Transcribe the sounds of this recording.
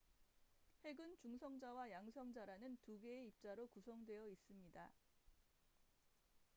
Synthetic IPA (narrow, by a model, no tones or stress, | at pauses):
he̞ɡɯnt͡ɕuŋsʰʌŋd͡ʑawajaŋsʰʌŋd͡ʑaɾanɯntuɡe̞ːip̚t͡ɕ͈aɾokusʰʌŋdwe̞jʌis͈ɯmɲida